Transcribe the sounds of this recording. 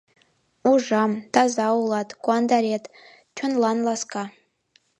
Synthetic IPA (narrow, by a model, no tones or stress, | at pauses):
uʐamd̥̪azaulˠatʰʼɡʷʼwand̪aɾʲet | t͡ʃʰʊnlanlˠaskʰʼa